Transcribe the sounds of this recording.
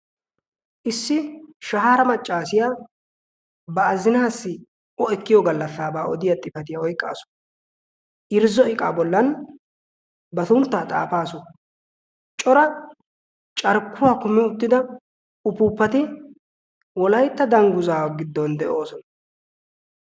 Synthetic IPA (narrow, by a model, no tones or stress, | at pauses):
ʔɪsːɪʃɐhɦaːɾɐmɐt͡ʃʼːaːsɪjaː | bɐːzɪnaːsːɪ | ʔɔɛkːɪjɔɡɐlːɐsːaːbaːʔɔd̪ɪjɐt̪ʼːɪfɐt̪ɪjɐɔjkʼːa̰ːsʊ̥ | ʔɪɾzɔɪkʼaːbɔlːɐn | bɐt̪ʊnt̪ːaːt̪ʼa̰ːfaːsʊ | t͡ʃʼɔɾɐ | t͡ʃʼɐɾkːʊwaːkʊmːɪʊt̪ːɪd̪ɐ | ʊpʊːpːɐt̪ɪ | wɔlɐjt̪ːɐd̪ɐŋɡʊzaːwɡɪd̪ːɔnd̪ɛʔo̞ːsɔnɐ